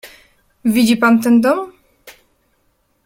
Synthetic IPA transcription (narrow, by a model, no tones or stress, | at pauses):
vʲid͡ʑipant̪̬ɛnd̪ɔm